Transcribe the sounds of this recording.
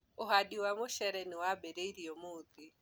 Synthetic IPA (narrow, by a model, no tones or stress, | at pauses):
ʊɦadiwamʊʃɛɾɛniwabɛɾeiɾiɔmʊːt̪i